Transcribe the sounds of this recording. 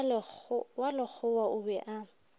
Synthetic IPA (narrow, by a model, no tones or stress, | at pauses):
walɪk͡xʰʊwaʊbɛʔa